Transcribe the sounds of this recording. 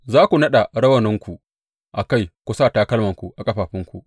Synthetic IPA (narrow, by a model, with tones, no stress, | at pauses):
zaː˦kʷu˨nɐ˦ɗa˨ɽɐ˦wɐ˨nɪ˦ŋkʷu˨ | ʔa˨ka˦jkʷu˦saː˦˨taː˦kɐ˦lmɐ˨ŋkʷu˨ʔa˨kʼɐ˦ɸaː˨ɸɪ˦ŋkʷṵ˨ʔ